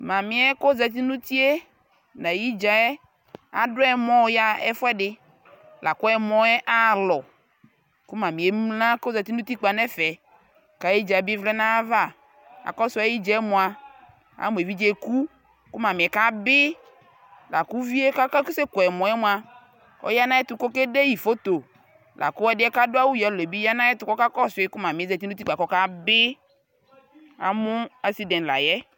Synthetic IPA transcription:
mã˨mɪ̃˨ɛ˦ko˦zɛ˨t̪̬i˦nũ˦t̪i˦e˦ | nã˨ji˦d͡ʒa˨ɛ˦ | a̰˨dʊ˦ɛ˦mɔ̃˦ja˦ɛ̰˦fɛ˦dɪ˦ | lʔa˨kʊ˦ɛ˦mɔ̃˦ɛ˦ʔa˦lɔ˨ | kʊ˦mã˨mĩ˨e˦m˦lã˦ko˦zɛ˨t̪i˦nũ˦t̪i˦k͡pa˨nɛ˦fɛ˨ | ka˨˦ji˦d͡ʒa˨bɪ˦vlɛ˦nã˦va˦ | a̰˨kɔ˦sʊ˦ɛ˦ji˦d͡ʒɛ˦ɛ˦mɔ̃˨a˨ | a̰˨mũ˨e˨vi˦d͡ʒe˦ku˦ | kʊ˦mã˨mɪ˨ɛ˨ka˦bɪ˦ | la̰˨ku˦vi˦e˦ka˦ka˦ku˦se˦kɔ˨ɛ˨mɔ˨jɛ˦mʊ̃˦a˨ | ɔ̰˦ja˦nã˦jɛ˦t̪ʊ˨ko˦ke˦de˦ji˨fo˦t̪o˨ | lʔa̰˨kʊ˦ɛ˦dɪ˦ɛ˦ka˦dʊ˦a˦wu˦jɔ˦˨le˨bi˦ja˦nã˦jɛ˦t̪ʊ˦kɔ˦ka˦kɔ˦sʊ˨ɪ˦kʊ˦mã˨mɪ̃˨ɛ˦zɛ˨t̪i˦nũ˦t̪i˦k͡pa˨kɔ˦ka˦bɪ˦ | a̰˦mʊ̃˦a˦si˦dɛ̃˨la̰˨jɛ˦

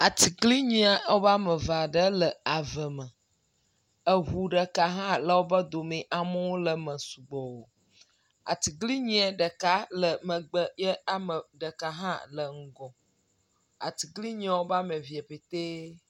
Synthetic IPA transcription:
a˨t̪i˨ɡli˦ɲĩ˦a˨wo˦ba˦mə̃˨va˨ɖə˦lə˨a˨və˨mə̃˨ | ə˨ɦu˨ɖə˨ka˨ɦã˦lə˨wo˦bə˦d̪o˨mĩ˨ʔa˨mɔ̃˦wo˦lə˨mə̃˨su˨ɡ͡bɔ˨wo˨ | a̰˨t̪i˨ɡli˦ɲĩ˦a˨ɖə˨ka˦lə˨mə˨ɡ͡bə˦jɛ˦a˦mə˨ɖə˨ka˨ɦã̰˦lə˨ŋ̩˦ɡɔ̃˨ | a̰˨t̪i˨ɡli˦ɲĩ˨˦a˨wo˦ba˦mə̃˨vi˨e˨pe˨t̪e˦

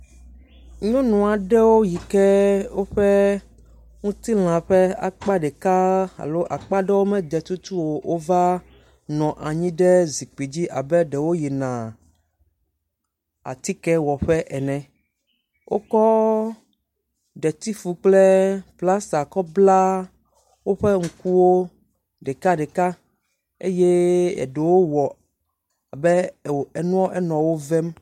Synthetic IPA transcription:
ɲɔ̃˦nũ˨a˨ɖɛ˦wo˦ji˨kɛ˦wo˦ɸɛ˦ | ŋũ˦t̪i˦l̃ã˨ɸɛ˦a̰˦k͡pa˦ɖɛ˨ka˦a̰˨lo˦ʔa˨k͡pa˦ɖɛ˦wo˦mɛ̃˦d̪ɛ˨t̪u˦t̪u˦wo˨wʔo˦va˦ | nɔ̃˨ʔa˨ɲĩ˦ɖɛ˦zi˨k͡pi˨d͡ʑi˦ʔa˨bɛ˦ɖɛ˨wo˦ji˨nã˨ | a̰˨t̪i˦kɛ˦wɔ˨ɸɛ˦ʔɛ˨nɛ̃˨ | wʔo̰˦kɔ˦ | ɖɛ˨t̪i˦fu˨k͡ple˦pla˦sa˨kɔ˦bla˦ | wo˦ɸɛ˦ŋ̩˨ku˦wo˦ | ɖɛ˨ka˦ɖɛ˨ka˦ | ḛ˦je˦ɛ̰˨ɖe˨wo˦wɔ˨ | a˨bɛ˦˨ɛ˨nũ˦ɔ̃˦ʔɛ˦nɔ̃˨wo˦vɛ˦m

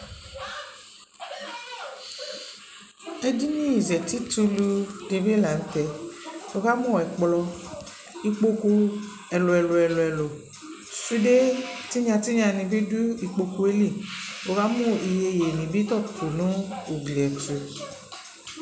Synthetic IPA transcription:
e˦di˦nĩ˦i˨zɛ˨ti˦tu˧lu˧di˧bi˦la˨n̩˦tɛ˨o˨˦ɣa˦mũ˦˨ɛ˨k͡plɔ˧ | i˨k͡po˦ku˧ | ɛ˨lo˨ɛ˨lo˨ɛ˨lo˨ɛ˨lo˨ | su˦de˦ti˦ɲã˧ti˦ɲã˧nĩ˧bi˦du˦i˨k͡po˧ku˨e˦li˦˨o˨ɣa˦mũ˦i˨je˨je˨nĩ˨bi˦t̪ɔ˦˨t̪u˨nũ˦u˨ɡli˨ɛ˨to˨

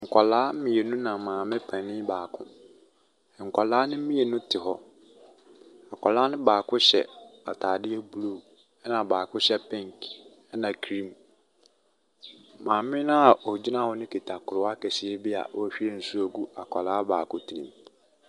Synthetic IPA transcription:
ŋ̩˨kʰa˨laː˦m˦mĩ˨e˨nũ˦nã˨mãː˨mɪ̃˦pʰã˨nɪ̃˦baː˨kʰʊ̰̃˦˨ | ŋ̩˨kʰʷa˨laː˦nɪ̃˦m̩˦mĩ˦e˨nʊ̃˦tʰɪ˨ɦɔ˦ | a˨kʰa˨laː˦nɪ̃˦baː˨kʰʊ̃˦ɕɛ̰˨a̰˨tʰaː˨dɪ˦ɛ˦bu˨lu˦ | ɛ˦nã˨baː˨kʰʊ̃˦ɕɛ˦pʰɛ̃˦ŋk | ɛ˦nã˨kʰɾĩ˦m | mãː˨mɪ̃˦nã˦˨ɔ˨d͡ʑi˦nã˦˨hɔ˦nʊ̃˦kʰe˨tʰa˨kʰʊ˨ɾʊ˨˦a˦kɛ˨ɕɪ˨ɛ˦bɪ˦a̰˨ʔɔ˦ɕᶣi˦ɾe˦n̩˦su˦o˨ɡu˦a̰˨kʷʰa̰˨laː˨˦baː˨kʰʊ̃˦tʰi˨ĩ˨m

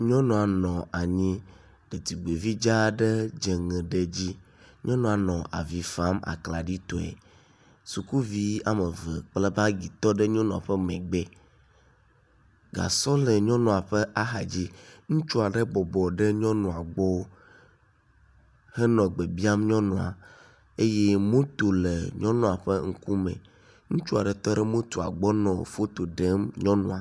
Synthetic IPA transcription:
ɲɔ̃˦nɔ̃˨a˨nɔ̃˨a˨ɲĩ˦ | ɖ̥e˨t̪i˨ɡ͡be˨vi˦d͡ʒa˦ɖe˦d͡ʒe˨ŋɛ̃˨ɖe˦d͡ʑi˦ | ɲɔ̃˦nɔ̃˨a˨nɔ̃˨ʔa̰˨vi˨fa˦ma̰˨kla˨ɖi˦t̪ɔ˨ɛ̰˨ | su˨ku˦vi˨˦a˦me˨və˨k͡ple˦ba˦ɡi˨t̪ɔ˦ɖe˦ɲɔ̃˦nɔ̃˨a˨ɸɛ˦mɛ̃˨ɡ͡be˦ | ɡa̰˨sɔ˦lɛ˨ɲɔ̃˦nɔ̃˨a˨ɸɛ˦ʔa˦ɦa˨d͡ʑi˦ŋũ˦t͡ʃu˦a˨ɖɛ˦bɔ˨bɔ˨ɖe˦ɲɔ̃˦nɔ̃˨a˨ɡ͡bɔ˦ | hɛ˦nɔ̃˨ɡ͡be˨bi˦a˦mɲɔ̃˦nɔ̃˨a̰˨ | e˦je˦mõ˦t̪o˨lḛ˨ɲɔ̃˦nɔ̃˨a˨ɸe˦ŋ̩˦ku˦mḛ̃˨ | ŋũ˦t͡ʃu˦a˨ɖɛ˨t̪ɔ˦ɖɛ˦mõ˦t̪o˨a̰˨ɡ͡bɔ˦nɔ̃˨o˨fo˦t̪o˨ɖɛ˦mɲɔ̃˦nɔ̰̃˨a˨

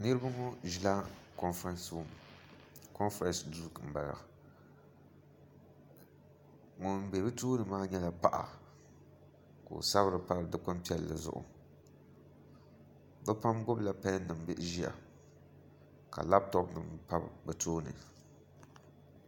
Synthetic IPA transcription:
nɨ˦ɾɨ˦ba˦ŋɔ˦ʒi˨laː˦kɔ˦nfɾɛ˦nsm | kɔ˦nfɾɛ̃˨nsdu˦˨km̩˨ba˨la̰˨ | ŋʊ˨m˨be˨bɨ˦toː˦nɨ˨maː˦ɲɛ˦la˨pa˨ʔa̰˨ | ko̰˨sa˦βɾɨ˨pa˦lɨ˨dɨ˦kʊ˦mpi˦ɛ˦lːɨ̰˨zʊ̰˦ʔʊ̰˨ | bɛ˦pa˦mɡʊ˦bla˨pa˦nnːɨ˨m˨bɪ˦ʔʒi˦a̰˨ | ka̰˨la˦p̚tɔ˦pnɨ˨mpa˦bbɛ˨tʰoː˦nɨ̰˨

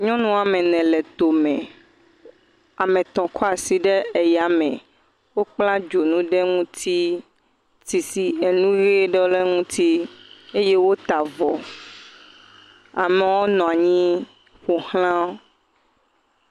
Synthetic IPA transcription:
ɲɔ̃˦nũ˦a˨mɛ̃˨nɛ̃˨lɛ˨t̪o˨mɛ̃˨ | a˨mɛ̃˨t̪ɔ̃˨kʰɔ˦a˨si˨ɖɛ˦e˨ja˨mɛ̰̃˨ | wo˦k͡plã˦d͡ʒo˨nũ˦ɖɛ˦ŋũ˦t̪ʰi˦ | ti˨si˨e˨nũ˦ɣe˦ɖɛ˦le˦ŋũ˦t̪ʰi˦e˦je˦wo˦t̪a˨vɔ˨ | a̰˨mɛ˨wo˦nɔ̃˨a˨ɲĩ˦ | ɸo˨hl̃ã˦

